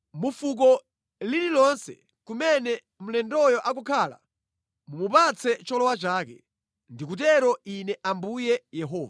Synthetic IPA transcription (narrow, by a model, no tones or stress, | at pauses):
mufuk̬ɔ | lililɔnsɛ̰ | kumɛnɛ | m̩lɛndɔjɔʔakukʰaːla̰ | mumupat͡sʰɛt͡ʃɔlɔwat͡ʃaːkɛ | ndik̬ut̬ɛɾɔinɛʔambujɛjɛɦɔːva